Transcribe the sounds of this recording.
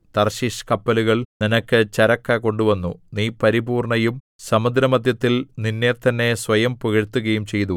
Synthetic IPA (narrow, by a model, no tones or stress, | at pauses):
t̪ɐrɕiʂkɐpːɐluɣɐɭninɐkːɨt͡ɕɐɾɐkːɐko̞ɳɖuʋɐnːṵniːpɐɾibuːrɳɐjum | sɐmɐd̪ɾɐmɐd̪ʱjɐt̪ːilninːeːt̪ɐnːe̞sʋɐjɐmpuɣɐɻt̪ːuɣɐjumt͡ɕe̞jt̪u